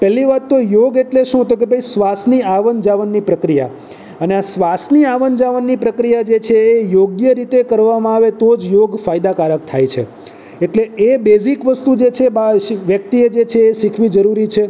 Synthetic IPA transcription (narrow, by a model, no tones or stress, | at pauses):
pɛɦlːiʋat̪ːojoɡeʈleʃũɦət̪̬ok̬ebʱəisʋasniaʋənd͡ʒaʋənːipɾəkɾija̰ | əneasʋasniaʋənd͡ʒaʋənːipɾəkɾijad͡ʒet͡ʃʰeːjoɡjəɾit̪ekəɾʋamãaʋet̪od͡ʒjoɡfajd̪akaɾək̚t̪ʰa̰jt͡ʃʰḛ | eʈleebezikʋəst̪ud͡ʒet͡ʃʰebaʋjəkt̪ied͡ʒet͡ʃʰeːʃikʰʋid͡ʒəɾuɾit͡ʃʰe